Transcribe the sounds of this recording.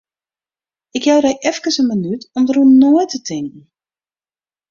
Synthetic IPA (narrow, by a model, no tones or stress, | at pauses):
ɪkjawɾɛjʔɛfkəsənmənytɔmdərunnːojtətʰɪŋk̚n̩